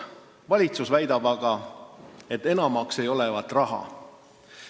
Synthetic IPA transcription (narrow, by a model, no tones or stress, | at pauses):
vɑlʲit̪susvæjd̪̥ɑbɑɡ̥ɑ | e̞t̪ːˑe̞nɑmɑkse̞jo̞le̞vɑt̪ːˑrɑɦɑ̰